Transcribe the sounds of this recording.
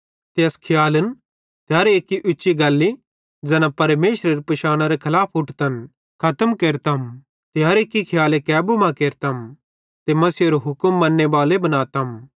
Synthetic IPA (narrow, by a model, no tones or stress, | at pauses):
t̪eɐskʰɪjaːlən | t̪eɦaːɾeːkːiʔʊːt͡ʃːiɡaːlːi | d͡ʒɛːnãpɐɾmeːʃɾɐɾipɐʃaːɽ̃aɾekʰɐlaːpʰʊʈʰt̪ɐn | kʰɐt̪əmkeːɾt̪am | t̪eɦaɐːɾeːkːikʰɪjaːlekɛːbumãkeːɾt̪aɦm | t̪emɐsiɐɾoɦʊkəmːɐnːebaːlebɐnaːt̪aɦm